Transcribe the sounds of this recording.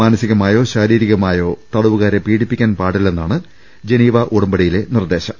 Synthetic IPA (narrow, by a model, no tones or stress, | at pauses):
aːnɐsiɣɐmaːjo̞ːɕaːɾiːɾiɣɐmaːjo̞ːt̪ɐɽɐʋuɣaːɾepiːɽipːikʲːaːnpaːɽilenːaːɳɨ | d͡ʑe̞niːʋɐʔuɽɐmbɐɽɐjile̞nird̪e̞ːɕɐm